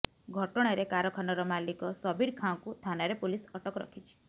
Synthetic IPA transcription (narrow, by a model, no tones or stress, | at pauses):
ɡʱɔʈɔɽ̃aɾekaɾɔkʰanɔɾɔmalikɔsɔbʱiɾkʰãɔ̃kut̪ʰanaɾepulisɔʈɔkɔɾɔ̰kʰit͡ʃʰi̥